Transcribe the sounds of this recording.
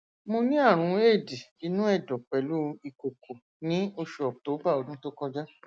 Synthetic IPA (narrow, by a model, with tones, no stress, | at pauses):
mo˧nĩ˦a˦˨ɾ̃ũ˨˧˦e˦˨di˨i˨˧nũ˦ɛ˦˨dɔ˨k͡pɛ˨lu˦˧i˧ko˨kʰo˨ | nĩ˦o˧ʃu˨ɔ˨to˨˦ba˦˨o˧dũ˦to˦kɔ˧d͡ʒa˦